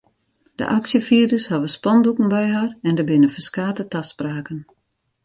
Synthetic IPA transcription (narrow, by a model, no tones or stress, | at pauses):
d̥ə̰ʔaksjəfiədəshaʋəspɔndukən̩bɛjɦarɛndəbɪnəfəskaːtətaspraːkən